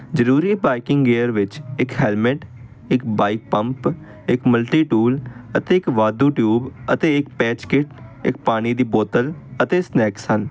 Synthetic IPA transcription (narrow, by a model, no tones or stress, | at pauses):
zəɾuːɾiːbaːɪkɪ̃ŋɡeːəɾʋɪt͡ʃɪkhɛːlmɪʈ | ɪkbaːɪk̚pəmp | ɪkməlʈiːʈuːlət̪eːɪkʋaːd̪uːʈjuːbət̪eːɪk̚pɛːt͡ʃkɪʈɪkpaːɽ̃iːd̪iːboːt̪ələt̪eːsnɛːkshən